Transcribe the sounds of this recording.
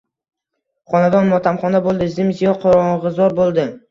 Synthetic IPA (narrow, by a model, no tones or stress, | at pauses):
χɒnad̪ɒnmɒt̪ʰamχɒnabolˠd̪ɪzɪmzijɒqʰɒɾɒɴʁɨzɒɾbolˠd̪ɪ